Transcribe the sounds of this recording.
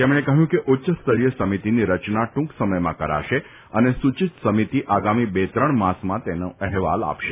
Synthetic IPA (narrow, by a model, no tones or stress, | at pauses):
t̪emɳekəɦjũkeʔʊtːʃəst̪ʰəɭijəsəmit̪iniɾət͡ʃnaʈũksəməjmã̰kəɾa̰ʃe | ənesut͡ʃit̪səmit̪iʔaɡamibet̪ɾəɳmãsmãt̪enoɛɦʋa̰la̰pʃe